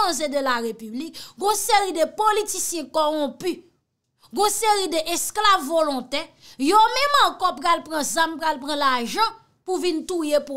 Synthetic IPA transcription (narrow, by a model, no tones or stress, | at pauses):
zed̪əlaʁepyblik̚ɡɔ̃seʁid̪əpolitisjɛ̃kɔʁɔ̃py | ɡɔ̃seɣid̪əʔɛsklavːolɔ̃t̪ɛ | jomɛ̃mãkɔpalpɣãzampɣalpʁãlaʒʌ̃ | puvint̪ujepu